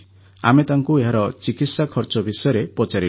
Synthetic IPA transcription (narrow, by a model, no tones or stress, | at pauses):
a̰met̪aŋkueɦaɾɔt͡ʃikit̪sakʰɔɾt͡ʃɔbʱisɔjɔɾepɔt͡ʃaɾi